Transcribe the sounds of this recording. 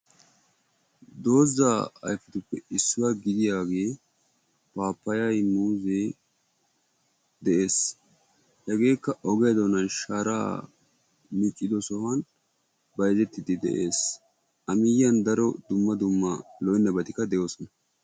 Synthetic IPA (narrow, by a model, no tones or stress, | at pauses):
d̪o̞ːzaːɐ̰jfɪt̪ʊpːɛɪsːʊwaɡɪd̪ɪjaːɡe̞ː | paːpːɐjɐjmuːzeː | d̪ɛʔe̞ːs | hɛɡe̞ːkːɐʔɔɡɛjd̪ɔnɐnʃaːɾaː | mɪt͡ʃʼːɪd̪ɔsɔhɐn | bɐjzɛt̪ːɪd̪ɪd̪ɛ̰ʔe̞ːs | ɐmɪjːɐnd̪ɐɾɔd̪ʊmːɐd̪ʊmːɐlɔjnːɐbɐt̪ɪkːɐd̪ɛjo̞ːsɔnɐ